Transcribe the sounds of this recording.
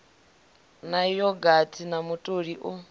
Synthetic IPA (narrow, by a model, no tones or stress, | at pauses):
najɔɡatʰinamutʼoɺiʔu